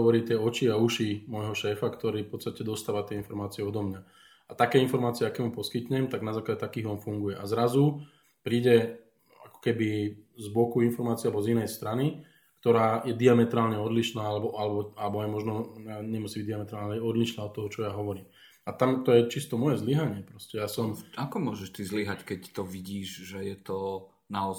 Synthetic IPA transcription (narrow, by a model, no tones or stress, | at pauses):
ɔʋɔɾiːt̪ɪɛɔt͡ʃiauʃimɔjɦɔʃɛːfakt̪ɔɾiːfpɔt̪st̪acɛd̪ɔst̪aːʋat̪ɪɛinfɔɾmaːt͡siɛɔd̪ɔmɲa | at̪akɛːinfɔɾmaːt͡siɛakɛːmupɔskit̪ɲɛmt̪aɡnazaːklaɟɛt̪akiːɦɔnfuŋɡujɛʔazɾazu | pɾiːɟɛ | a̰kɔ̥kɛbizbɔkuinfɔɾmaːt͡siɪɛalɛbɔzinɛjst̪ɾani | kt̪ɔɾaːjɛd̪iamɛt̪ɾaːlɲɛɔd̪liʃnaːalɛbɔʔalɛbɔalɛbɔajɛmɔʒnɔaɲɛmusiːbiɟd̪iamɛt̪ɾaːlɲɛɔd̪liʃnaːɔt̪ːɔɦɔt͡ʃɔjaːɦɔʋɔɾiːm | at̪amt̪ɔjɛt͡ʃist̪ɔmɔjɛzliɦaɲɪɛpɾɔscɛjaːsɔmakɔmʊɔʒɛʃt̪izliɦackɛct̪ɔʋiɟiːʒʒɛjɛt̪ɔ | naɔ